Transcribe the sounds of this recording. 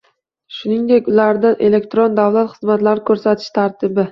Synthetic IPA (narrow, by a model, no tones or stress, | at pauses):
ʃʊnɪŋd̪ekʲʊlaɾd̪anʔe̞le̞k̚ʲt̪ɾond̪avlat̪χɨzmat̪laɾɪkʰɵɾsat̪ʰɪ̥ʃt̪ʰaɾt̪ʰɪbɪ